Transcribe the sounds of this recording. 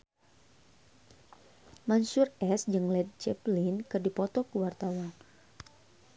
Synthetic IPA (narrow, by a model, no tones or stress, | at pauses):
mansurɛsd͡ʒɨŋlɛd̚t͡ʃɛplinkɨrdipɔt̪ɔkuwart̪awan